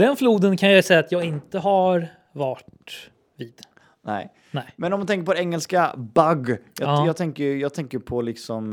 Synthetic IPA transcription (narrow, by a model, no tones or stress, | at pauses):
d̪ɛnfluːd̪ənkʰanjajsɛjːat̪jɑːɡɪnt̪əɦaɾ | vaʈ | viːd̪̥ | nɛ̰ɪ | ɛmɛnɔmːant̪ʰɛŋkəɾp̬ʰɔd̪ɛɛŋːɛlskabaɡjɑjɑːɡt̪ʰɛŋkəjjɑːɡ̚t̪ʰɛŋkəjpʰɔlɪksɔm